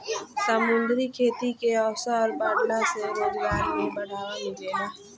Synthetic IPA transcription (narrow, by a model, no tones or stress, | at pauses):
səmʊ̃nd̪ɾikʰeːt̪ikeɔːfsaɔːɾbaːʈlaseɾʊd͡ʒɡaːɾmibəɽ̤aːʋamid͡ʒeːɡaː